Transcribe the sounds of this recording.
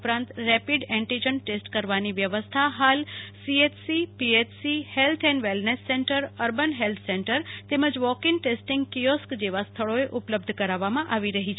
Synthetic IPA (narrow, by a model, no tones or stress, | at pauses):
pɾãnt̪ɾɛpiɖɛ̃ɳʈid͡ʒənʈesʈkəɾʋaniʋjəʋəst̪ʰaɦalsiet͡ʃsipiet͡ʃsihelt̪ʰɛ̃nʋɛlnesːẽɳʈəɾəɾbənɦelt̪ʰsẽɳʈəɾt̪eməd͡ʒʋɔkɪ̃ŋʈesʈɪŋɡkijɔskd͡ʒeʋast̪ʰəɭoeʔʊpləbd̪ʱkəɾaʋamãʔaʋiɾəɦit͡ʃʰe